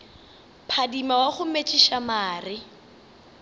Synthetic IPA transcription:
pʰadimawaχʊmet͡ʃʼiʃamaːrɪ

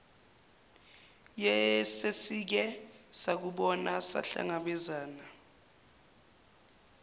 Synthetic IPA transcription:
jɛsesik̬ɛsak̬uɓɔnasa̰ɬa̰ŋaɓɛzaːna

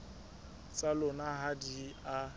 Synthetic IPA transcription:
t͡sʼalʊnaɦadia

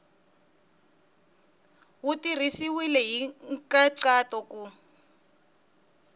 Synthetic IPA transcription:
wutirisiwilɛɦiŋkaǀatɔku

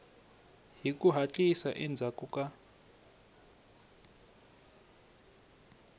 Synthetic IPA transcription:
ɦikʼuɦat͡ɬʼisaʔɛnd͡zʱakʼukʼa

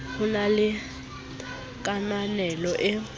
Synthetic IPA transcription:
hʊnalɪ | k̬ʼananɛlɔʔɛ

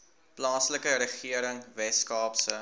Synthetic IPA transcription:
plɑːsləkəɾəχiəɾəŋvɛskɑːpsə

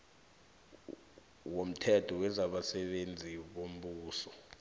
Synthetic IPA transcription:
wom̩tʰɛtʰɔwɛzaɓasɛɓend͡zʱiɓom̩ɓuːsɔ

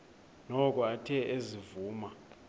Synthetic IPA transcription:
nɔkʼɔatʰɛʔezivuːma

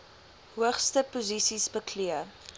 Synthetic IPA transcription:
ɦuəχstəpozisisbəkliə

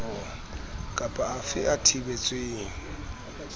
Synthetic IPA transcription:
kʼapʼaːfɪ̰ʔatʰibet͡sʼweːŋ̩

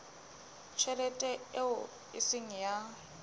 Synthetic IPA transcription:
t͡ʃʰɛlɛtʼɛeʊ | ɪsɪŋ̩ja

